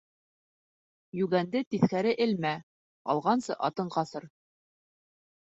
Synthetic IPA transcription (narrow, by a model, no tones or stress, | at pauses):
jʉɡænd̪ɘt̪iθkæɾɘʔɘ̆lmæ | ɑ̰lˠʁɑnsɤʔɑt̪ɤɴqɑθɤɾ